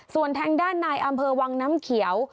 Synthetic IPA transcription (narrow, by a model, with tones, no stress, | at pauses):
su˨˩ənt̪ʰɛː˧ŋdaː˥˩nːaː˧jʔa˧mpʰɤː˧wa˧ŋnaː˦˥mkʰi˨˩˦ə˦w